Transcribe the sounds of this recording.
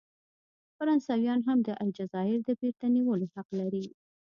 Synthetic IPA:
faɾɑnsɑwjɑnɦamd̪əʔajd͡ʒazɑɪɾd̪əbeɾt̪aniwəlohaqlaɾi

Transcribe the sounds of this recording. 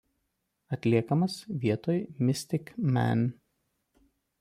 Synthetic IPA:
ɐt̪ʲlʲiɛkɐmɐsʋʲiɛt̪oːjmʲɪsʲt̪ʲɪkmʲæ̰nʲ

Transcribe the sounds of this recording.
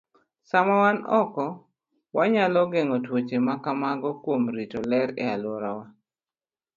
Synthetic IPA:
samawanɔkɔ | waɲalɔɡeŋɔtwot͡ʃemakamaɡɔkwomɾitolɛɾɛ̰aloɾawa

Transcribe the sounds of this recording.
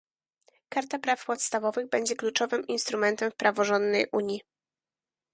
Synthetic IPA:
kaɾt̪apɾafpɔt̪st̪avɔvɘɣbɛɲd͡ʑɛklut͡ʂɔvɘminst̪ɾumɛnt̪ɛmfpɾavɔʐɔnd̪nɛjʔuɲji

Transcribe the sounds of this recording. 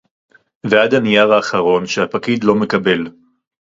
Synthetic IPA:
veadanijaʁaːχaʁo̞nʃehapakidlo̞me̞kabe̞l

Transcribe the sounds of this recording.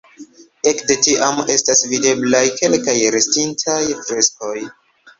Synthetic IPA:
e̞kde̞tiʔame̞stasvide̞blajke̞lkajɾestintʰajfɾe̞sko̞j

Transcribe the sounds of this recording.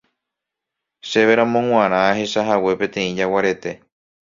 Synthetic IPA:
ʃe̞ʋeɾãmõŋ̃ʷãɾ̃ãhe̞ʃaɦawe̞pẽ̞t̪ẽ̞ĩd͡ʒawaɾe̞t̪e̞

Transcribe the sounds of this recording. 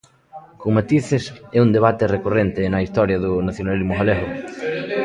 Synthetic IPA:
koŋmat̪iθɪsɛund̪eβ̞at̪ɪrekorent̪ɪnɐist̪ɔɾjɐðʊnaθjonalizmʊɣaleɣʊ

